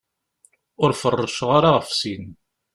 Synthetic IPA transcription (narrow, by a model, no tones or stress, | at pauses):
ʊɾfərˤːəʃʁaɾaʁəfsin